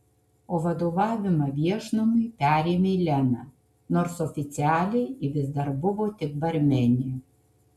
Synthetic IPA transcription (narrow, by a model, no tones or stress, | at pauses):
oːʋɐd̪oːʋɑːʋʲɪmɐʋʲiɛʃnomʊɪpʲæːɾʲeːmʲeilʲɛnɑː | noːɾsɔfʲɪt̪sʲɪæːlʲɛɪɪʋʲɪzd̪ɐɾbʊʋoːt̪ʲɪk̚bɐɾʲmʲɛnʲɪ